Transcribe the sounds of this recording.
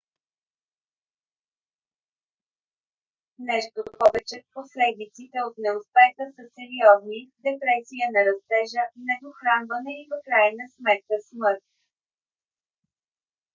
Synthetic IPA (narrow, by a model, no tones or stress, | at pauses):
nɛʃt̪opɔvɛt͡ʃɛposlɛd̪it̪sit̪ɛot̪nɛospɛxəsəsɛɾiɔznid̪ɛpɾɛsijənɐɾɐst̪ɛʒənɛd̪oxɾanvənɛivəkɾajɛnəsmɛt̪̚kəsmɤɾt̪̚